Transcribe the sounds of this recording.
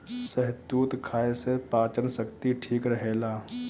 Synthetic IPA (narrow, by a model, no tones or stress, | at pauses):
səɦd̪uːt̪kʰaːesepaːt͡ʃənsəkt̪iʈʰiːkɾəɦeːlaː